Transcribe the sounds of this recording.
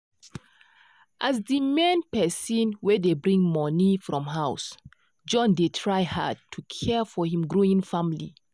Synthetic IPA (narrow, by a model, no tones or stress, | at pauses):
ʔazdimɛ̃npɛsĩnwɛdebɹĩŋmɔnifɹɔ̃mɦaʊs | d͡ʒɔ̃ndetʰɹaɪha̰tʰukʰɛfɔhĩmɡɹoĩŋfãmlḭ